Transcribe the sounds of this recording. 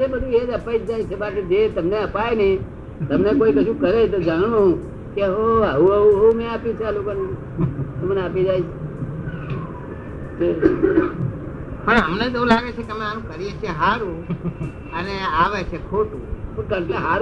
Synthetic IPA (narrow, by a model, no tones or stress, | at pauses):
d͡ʒebəd̪ʱũed͡ʒəpaid͡ʒd͡ʒait͡ʃʰebaːsed͡ʒet̪əmneəpajnẽ | t̪əmnekoikəʃʰũkəɾet̪od͡ʒaɳ̃ũɦũ | keɦoəũəũɦomẽapjũt͡ʃʰealokone | t̪oməneapid͡ʒajt͡ʃʰe | d͡ʒe | pəɳəmned͡ʒeũlaɡet͡ʃʰekem̃anũkəɾijet͡ʃʰeɦaɾũ | əneaʋet͡ʃʰekʰoʈũpəkə̃ɳʈãɦaɾ